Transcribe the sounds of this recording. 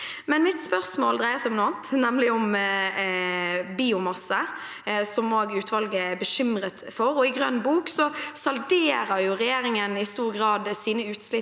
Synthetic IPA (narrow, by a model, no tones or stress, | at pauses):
mɛnmɪt̪spœʁsmoːld̪ʁæɪəsɪɔmnʊɑːnt̪nɛmlɪɔm | biːʊmɑsːə | sɔmoːɡʉːt̪ʰʋɑlɡəæbəʃʏmɾət̪fɔɾɔɪɡʁœ̰nbuːksɔsɑld̪eːɾəɾjʊʁɛjeːɾɪŋənɪst̪uːʁɡʁɑːd̪siːnəʉːt̪slɪ